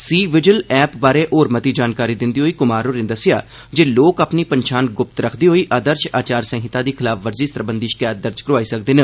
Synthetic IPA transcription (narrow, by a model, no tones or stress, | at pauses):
siːʋɪd͡ʒəlɛːpbaːɾeːʔoːɾmət̪iːd͡ʒaːnkaːɾiːd̪ɪnd̪iːɦoːiːkʊmaːɾoːɾẽːd̪əsɪja̰ː | d͡ʒeːloːkəpniːpəɲt͡ʃʰaːnɡʊp̚t̪ɾəkʰd̪iːɦoːiːʔaːd̪əɾt͡ʃaːt͡ʃaːɾsə̃ːɦɪt̪aːd̪iːkʰɪlaːfʰʋəɾziːsəɾbənd̪iːʃkaːjt̪̚d̪əɾd͡ʒkəɾʊʋaːiːsəkd̪ɪnː